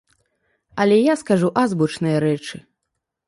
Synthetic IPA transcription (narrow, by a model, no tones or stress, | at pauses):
ɐlʲɛjaskaʐuʔazbut͡ʂnɨjɐɾɛt͡ʂɨ